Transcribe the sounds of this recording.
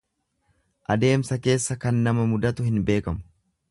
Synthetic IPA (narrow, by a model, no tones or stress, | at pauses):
ʔɐd̪e̞ːmsɐke̞ːsːɐkɐnːɐmɐmʊd̪ɐt̪ʊhɪnbe̞ːkɐmʊ̥